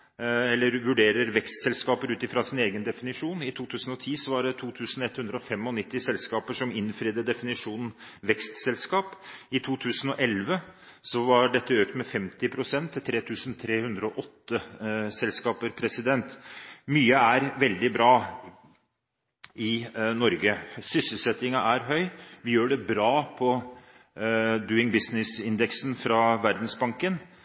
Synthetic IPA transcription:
ɛlːəɾʋʉɖeːɾəɾʋɛkst̪sɛlskɑːpəɾʉːt̪ɪfɾɑsɪneːɡənd̪ɛfɪnɪʂuːnɪt̪ʰuːt̪ʰʉːsənɔt̪ʰiːsɔʋɑɖɛt̪ʰuːt̪ʰʉːsn̩ɛt̪hʉnd̪ɾəɔfɛmɔnɪt̪ːɪsɛlskɑːpəʂɔmɪnfɾiːd̪əd̪ɛfɪnɪʂuːnn̩ʋɛkst̪sɛlskɑːpɪt̪ʰuːt̪ʰʉːsənɔʔɛlʋə | sɔʋɑɖɛt̪ːəøːkt̪mɛfɛmt̪ɪpʰɾʊsɛnt̪ʰːɪt̪ʰɾeːt̪ʰʉːsənt̪ʰɾeːhʉnd̪ɾəɔʔɔt̪ːəsɛlskɑːpəɾpʰɾɛsɪd̪ɛnt̪myːəæɾʋɛld̪ɪbɾɑː | ɪnɔɾɡəsʏsəlsɛt̪ɪŋɑʔæɾɦœʏʋɪjøːɖɛbɾɑːpʰɔ | d̪ʉːɪŋbɪsnɪsɪnd̪ɛksn̩fɾɑʋæɾd̪n̩sbɑŋkən

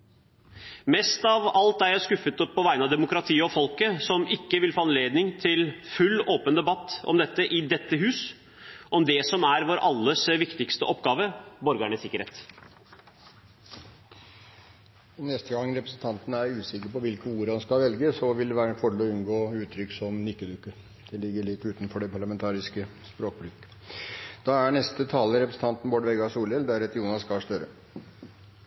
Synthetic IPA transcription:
mɛst̪ɑʋɑlt̪æɾjæɪskʉfət̪ɔpʰːɔʋæɪnɑʋd̪ɛmʊkɾɑt̪ʰiːəɔfɔlkəsɔmɪkːəʋɪlfoːɑnleːd̪nɪŋt̪ʰɪlfʉlːoːpənd̪ɛbɑt̪ːɔ̰md̪ɛt̪ːəʔɪd̪ɛt̪ːəɦʉːs | ʔɔmd̪ɛsɔmæɾʋoːɾʔɑlːəsʋɪkt̪ɪkst̪əʔɔpːɡɑːʋəbɔɾɡæɳəsɪkəɾḛːt̪ | nɛst̪əɡɑŋːɾɛpɾəsn̩t̪ʰɑnt̪ənəæɾʉːsɪkːəɾpɔʋɪlkəuːɾhɑnskɑlʋɛlɡəsɔʋɪld̪ɛʋæːɾəɛfɔɖɛlɔʉnɡoːʉːt̪ʰːɾʏkːsɔmnʏkːəd̪ʉkːə | d̪̥ɛlɪɡːəɭɪt̪ːʉːt̪n̩fɔɖɛpʰɑɭɑmɛnt̪ʰɑːɾɪskəspɾoːk̚bɾʏkː | d̪̥ɑːæɳɛst̪ət̪ʰɑːləɾɛpɾəsn̩t̪ɑnt̪n̩boːɖʋɛɡɑsuːlɛld̪æɾɛt̪juːnɑskɑʂt̪œɾə

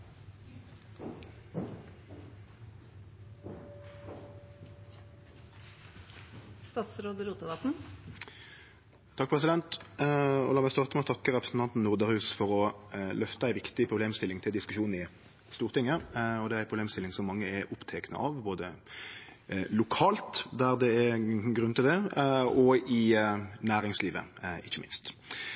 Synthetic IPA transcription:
st̪ɑːt̪sɾoːd̪əɾuːt̪əʋɑt̪n̩ | t̪ʰɑk̚ːpʰʁɛsɪd̪ɛnt̪ | ɔ̰lɑːmæɪst̪ɑːʁt̪əmɛɔt̪ʰɑkːəʁɛpɾəsn̩t̪ɑnt̪n̩nʊʁd̪ɑʁhʉːsfɔʁɔlœft̪əæɪʋɪkt̪ɪpʰʁʊbleːmst̪ɪlːɪŋt̪ʰɪld̪ɪskʉʃuːnɪ | st̪uːʁt̪ɪŋːəɔd̪ɛæɾʁæɪpʰɾʁʊbleːmst̪ɪlɪŋsɔmːɑŋːəɛɾʊpt̪ʰɛknə̰ʔɑːʋboːd̪ə | lʊkʰɑːlt̪d̪æʁd̪ɛɛɡɾʁʉnt̪ɪld̪ɛɔɪnæːɾɪŋsliːʋə̰ɪçːəmɪ̰nst̪

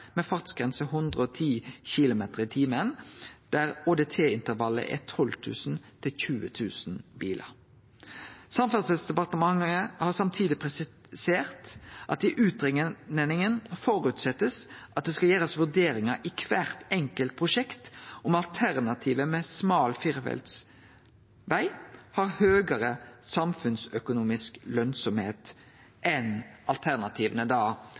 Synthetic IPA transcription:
mɛfɑʁt̪sɡ̥ʁɛnsəɦʊnd̪ʁəɔt̪ʰiːçɪlʊmeːt̪əʁɪt̪ʰiːməənd̪̥æʁoːd̪eːt̪ʰeːɪnt̪əɾʋɑlːə̰ʔɛ̰t̪ʰɔlt̪ʰʉ̰ːsn̩t̪ʰɪlçʉːət̪ʰʉːsn̩biːlʔə̰ɾ | sɑmfɑsəsd̪ɛpɑʁt̪əmɑŋəhɑʁsɑmt̪ʰiːd̪ɪpʰʁɛs | seːʁt̪ʔɑt̪̚d̪ɪʔʉːt̪ʁɪŋəənɪŋənfɔɾʉːt̪sɛt̪ːəsʔɑt̪̚d̪ɛskɑljæːʁəsʋʉɖ̪eːɾɪŋɑʔɪkʰʋæːʁt̪ɛŋkəlt̪̚pʰʁʊʂɛkt̪ʔɔmɑlt̪ʰæʁnɑt̪ʰiːʋəmɛsmɑːlfɪʁfɛ̰lt̪s | ʋæɪhɑɾhøːɡəɾəsɑmfʉnsœkʊnuːmɪsklœnsɔmheːt̪ | ʔɛnɑlt̪ʰæʁnɑt̪ʰiːʋənəd̪ɑː

